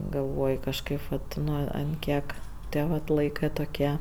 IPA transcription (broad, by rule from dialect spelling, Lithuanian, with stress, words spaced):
ɡɐlˠˈʋoːj kɐʃˈkɐɪp ʋɐt ˈnʊ ɐnt ˈkʲiɛk ˈtʲiɛ ʋɐt ˈlˠɐɪkɜ toːˈkʲiɛ